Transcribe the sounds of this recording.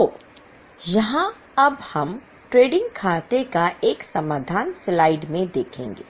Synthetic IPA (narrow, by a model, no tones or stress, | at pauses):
oː | jɐɦã | ɐbhɐm | ʈɾeːɖɪ̃ŋɡkʰaːt̪ekaʔeːksɐmaːd̪ʱaːnslaːɪɖmẽd̪eːkʰḛ̃ːŋɡḛː